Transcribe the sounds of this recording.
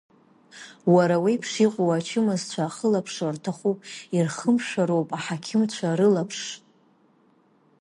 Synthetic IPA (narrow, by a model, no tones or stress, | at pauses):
waɾawipʰʂiqʷʼowat͡ʃʰɪmɨzt͡ɕʷʰaːχəlapʰʂartʰaχʷupʼirχəmʂaɾowpʼaħakʲʰɪmt͡ɕʷʰaɾɨlapʰʂ